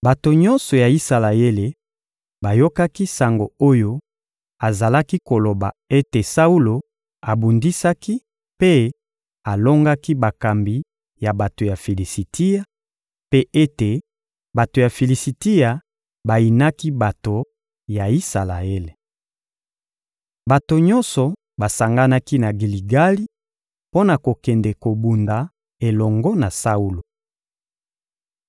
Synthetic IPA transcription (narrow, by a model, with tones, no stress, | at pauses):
ba˨to˨ɲɔ˦nsɔ˨ja˨i˦sa˨la˨je˦le˨ | ba˨jo˦ka˦ki˦sa˨ŋɡo˨o˦jo˦ | a˨za˨la˦ki˦ko˨lo˨ba˨e˦te˨sa˦u˦lo˨ | a˨bu˨ndi˦sa˦ki˦ | pe˦ | a˨lo˦ŋɡa˦ki˦ba˨ka˨mbi˨ | ja˨ba˨to˨ja˨fi˨li˨si˨ti˦ja˨ | pe˦e˦te˨ | ba˨to˨ja˨fi˨li˨si˨ti˦ja˨ | ba˨i˨na˦ki˦ba˨to˨ | ja˨i˦sa˨la˨e˦le˨ | ba˨to˨ɲɔ˦nsɔ˨ | ba˨sa˨ŋɡa˦na˦ki˦na˨ɡi˨li˨ɡa˦li˦ | po˦na˨ko˨kɛ˨ndɛ˨ko˨bu˨nda˨ | e˨lɔ˨ŋɡɔ˦na˨sa˦u˦lo˨